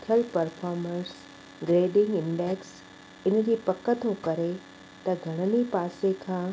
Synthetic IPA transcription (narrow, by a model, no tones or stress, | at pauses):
t̪ʰəlpɐɾfʰaːɾmə̃ns | ɡɾeːɖɪ̃ŋɡɪ̃ɳɖɛːks | ɪnd͡ʑiːpɐkət̪okɐɾe | t̪ɐɡʱɐɽ̃ənipaːsekʰãː